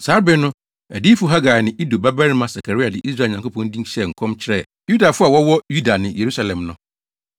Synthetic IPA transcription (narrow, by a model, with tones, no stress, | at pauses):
saː˦ɾbɛ˦nʊ̃˦ | æ˨di˦fʊ˦ɦa˦ɡaː˨nɪ̃˨ʔi˦do˨ba˦bæ˦ɾmã˦sa˨kʰa˨ɾi˦a˨dɪ˨ʔi˦s̬ɾa˦˨ɲã˨ŋko˦pʰɔ̃˦n̩˦dĩ˦ɕɛ˦˨ŋ̩˨kʰɔ̃˦mt͡ɕʰɪ˦ɾɛ˦˨ | ju˦da˨fʊ˦a˨wɔ˦wɔ˦ju˦da˨nɪ̃˨je˨ɾu˦sa˨lɛ̃˨mnʊ̃˦